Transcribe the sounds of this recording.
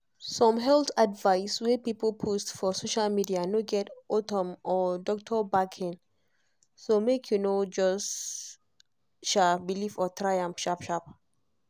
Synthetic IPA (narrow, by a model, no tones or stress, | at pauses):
sɔ̃mɦɛltadvaɪswɛpipəlpʰostfɔsoʃalmidianoɡɛtɔtɔ̃mʔɔdɔk̚tʰɔbakʰĩn | somekʰjunod͡ʒɔs | ʃabilifɔt̪ʰɹajãmfʃapʃap̚